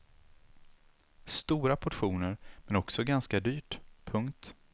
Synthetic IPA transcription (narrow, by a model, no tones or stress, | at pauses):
st̪uːɾapʰɔʈɧuːnəɾmɛnɔksɔɡanskad̪yːʈpʰɵŋkt̪